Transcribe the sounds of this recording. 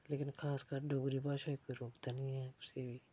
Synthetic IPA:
leːkɪnxʰaːskaːɾɖoːɡɾibaːʃaikʊiɾoːkd̪anĩɦɛʊsebʱi

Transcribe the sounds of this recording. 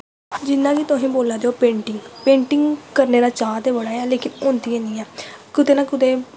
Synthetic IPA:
d͡ʒɪnːãːkit̪ʊɦẽːboːlaːd̪eoːpẽːɳʈɪŋɡpẽːɳʈɪŋɡkəɾneːɾaːt͡ʃãːt̪eːʋəɽaːɛːleːkɪnʊnt̪iẽːniːɛːkʊt̪eːnaːkʊt̪eː

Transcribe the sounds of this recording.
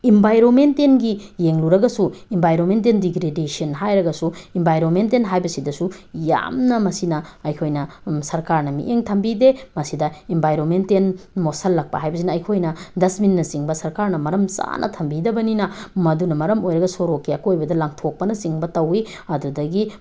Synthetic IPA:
imbʱajɾonmentenɡijeŋluɾɐɡɐsuimbʱajɾonment̬endiɡɾedesiɐnɦajɾɐɡɐsuimbajɾonmentenɦajbɐsidɐsuja̰mnɐmɐsinɐɐjkʰojnɐsɐɾkaɾnɐmḭʔeŋtʰɐmbidemɐsidɐimbʱajɾonmentenmosɐlːɐk̚pɐ̰ɦajbɐsinɐːjkʰojnɐdɐsminːɐsiŋbɐsɐɾkaɾnɐmɐɾɐmt͡ʃa̰nʔɐ̰tʰɐmbidɐbɐninɐmɐdunɐmɐɾɐmojɾɐɡɐsoɾokːiɐkojbɐdɐlaŋtʰok̚pɐnɐsiŋbɐtɐwi | ɐdudɐɡi

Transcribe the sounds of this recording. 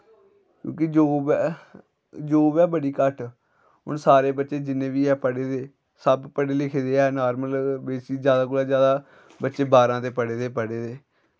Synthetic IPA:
kjõ̰ːkɪd͡ʒoːbɛː | d͡ʒoːbɛːbəɽiːkəʈ | ɦʊ̰ɳsaːɾeːbətːʃeːd͡ʒɪnːẽːʋiːɛːpəɽeːd̪eː | səbpəɽeːlɪkʰeːd̪eːɛːnaːɾməlbeːsiːd͡ʒjaːd̪aːkʊlaːd͡ʒjaːd̪aː | bətːʃeːbaːɾãːt̪eːpəɽeːd̪eːpəɽeːd̪eː

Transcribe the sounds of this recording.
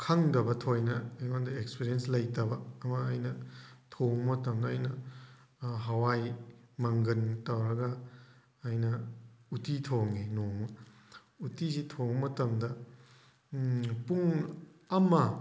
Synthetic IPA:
kʰɐŋdɐbɐtʰojnɐjandɐekspiɾienslɐjtɐbɐːmɐːjnɐtʰoŋɐmɐtɐmdɐɐjnɐ | ɦɐwajmɐŋɡɐntɐwɾɐɡɐː | jnɐutitʰoŋinoŋɐ | utizitʰoŋɐmɐtɐmdɐ | puŋɐmɐ

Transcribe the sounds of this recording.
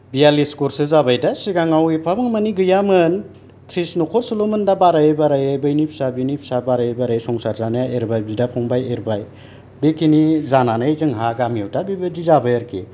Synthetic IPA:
bijaliskoɾsɯzabajdasiɡaŋawipʰabɯŋmaniɡɯjamɯn | tʰɾisnokʰɔɾsolomɯndabaɾajebaɾajajbɯjnipʰsabinipʰsabaɾajebaɾajsɔŋsaɾzanajaʔeɾbajbidapʰɔŋbajeɾbaj | bekʰinizananajzɯŋɦaɡamiɔwtabibɯdizabajaɾkʰḭ

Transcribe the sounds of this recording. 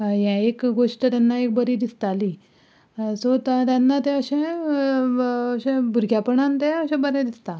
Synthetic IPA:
jãekɡoʂʈət̪janːaek̚bəɾid̪ist̪aliː | sot̪at̪janːat̪ẽəɕẽ | əɕẽbʱuɾɡʱjapəɳant̪ẽəɕɛ̃bəɾɛ̃d̪ist̪a

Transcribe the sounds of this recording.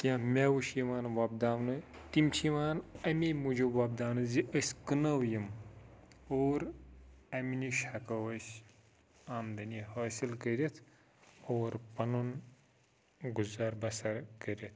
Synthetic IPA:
kʲãmʲeːwuʃjiʋaːnʋɐb̚d̪aːwnɨt̪imt͡ʃʰiʋaːnɐmimud͡ʒuʋɐb̚d̪aːwnɨziʔɐsʲkɨnɐwjim | oːɾɐminiʃhɐkɐwɐsʲ | aːmd̪ɐnihaːsilkɐɾʲɐt̪ʰ | oːɾpɐnun | ɡuzaːɾbɐsɐɾkɐɾʲɐt̪̚ʰ

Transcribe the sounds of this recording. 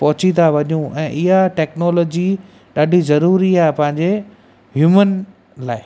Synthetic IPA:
pɐɦʊt͡ɕit̪aʋɐɲũɛ̃ːʔɪɦaʈɛːknɔːlɔːd͡ʑi | ɗaːɖʱizɐɾuːɾiaːɦepɐ̃ɦɪ̃ɲd͡ʑe | ɦjuːmən | laːɪ

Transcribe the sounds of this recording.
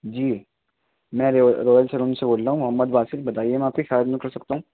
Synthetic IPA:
d͡ʒiː | mɛ̃ːɾɾoːjəlseɾoːnseboːlɾaɦũmʊɦəmːəd̪baːsɪlbɐt̪aːiemɛ̃aːp̚kixaːd͡ʒmẽkɐɾsɐk̚t̪aɦũː

